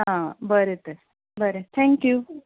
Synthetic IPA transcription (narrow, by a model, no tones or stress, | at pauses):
ɦãbəɾet̪əɾ | bəɾet̪ʰɛ̃ŋkju